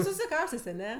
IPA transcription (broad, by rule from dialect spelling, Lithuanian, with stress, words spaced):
sʊsʲɪˈkɐʊsʲtʲeːsʲ ɐˈnʲɛ